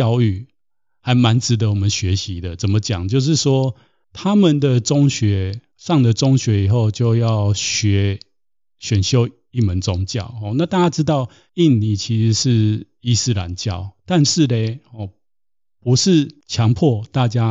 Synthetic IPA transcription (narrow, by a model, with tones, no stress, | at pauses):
jɑ˥˧ʊy˥˩ | ha˧˥ɪma˧˦nt͡sɻ̩˧˥d̪ə˧˦wɔ˨˩mə˦nɕɥɛ˨˧˦ɕi˨˦d̪ə˨t͡sə˨˩nmə˦t͡ɕja̰˨˩ŋt͡ɕjo˥˧ʊʂ̬ɻ̩˥˩ʂwɔ˦˥ | t̪ʰa˦mə˨nd̪ə˨˩t͡so˦ŋɕɥɛ˨˧˦ | ʂɑ˥˨ŋd̪ə˩t͡so˥ŋɕɥɛ˧˦˥i˨˩xo˥˨ʊt͡ɕjo˥˧ʊjɑ˥˨˩ʊɕɥɛ˧˥˦ | ɕɥɛ˨˩nɕjo˦˥ʊ | i˥˩mə˨˦nt͡sʊ˦ŋt͡ɕjɑ̰˥˨ʊhɔ˨˩na˥˧t̪a˥˧˩t͡ɕja˥ʈ͡ʂɻ̩˥t̪ɑ˥˨ʊ | i˥˨˩nni˨˩t͡ɕʰi˧˥ʂ̩˧˥ʂɻ̩˥˩ | i˥sɹ̩˥˧la̰˨˦nt͡ɕjɑ̰˥˩ʊt̪a˥˧nʂɻ̩˥˨le˨˧ɪhɔ˨ | pu˧˦ʂɻ̩˥˩˨t͡ɕʰjɑ˧˥ŋpʰɔ˥˨t̪a˥˨t͡ɕja˦